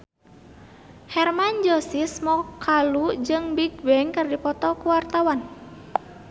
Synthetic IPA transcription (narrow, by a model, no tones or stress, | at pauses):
hɛrmand͡ʒɔsismɔkʰalud͡ʒɨŋbiɡ̚bɛŋkɨrdipɔt̪ɔkuwart̪awan